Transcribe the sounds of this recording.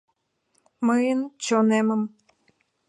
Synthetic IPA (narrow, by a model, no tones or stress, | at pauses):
məjənt͡ɕoneməm